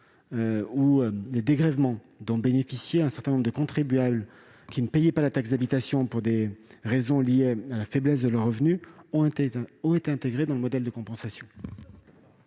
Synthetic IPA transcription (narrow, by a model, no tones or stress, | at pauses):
øuøled̪eɡʁɛvmɑ̃ | d̪ɔ̃benefisjeɛ̃sɛʁt̪ɛ̃nɔ̃mʁəd̪əkɔ̃t̪χibɥabl | kʲinəpɛjɛpalat̪aks̬d̪abit̪asjɔ̃puʁd̪eʁezɔ̃lijealafɛblɛs̬d̪əlœʁːəvnyɔ̃ɔ̃et̪eɛ̃t̪eɡʁed̪ɑ̃ləmɔd̪ɛld̪əkɔ̃pɑ̃sasjɔ̃